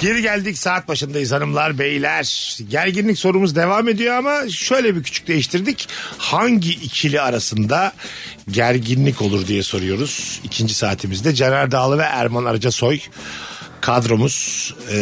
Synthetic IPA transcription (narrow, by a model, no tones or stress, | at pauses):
ɟ̥e̞ɾiɟælʲd̪icsaːt̪̚baʃɯnd̪ajɯzanɯmlˠaɾbe̞jilʲæɾ̥ɟæɾɟinlʲicso̞ɾumuzd̪e̞vaːme̞d̪ijo̞amaʃø̞jlʲɛbiɾcʰy̥t͡ʃʰy̥c̚ʲd̪e̞jiʃt̪ʰiɾd̪ichaɲɟiʔːcʰilʲiaɾasɯnd̪a | ɟæɾɟinlʲicʰo̞lˠuɾd̪ijɛso̞ɾujo̞ɾuz̥icʰind͡ʒisaːt̪ʰimizd̪ɛd͡ʒenalʲd̪aːlˠɯvɛʔæ̰ɾmana̰ɾad͡ʒaso̞j | kʰad̪ɾo̞muz̥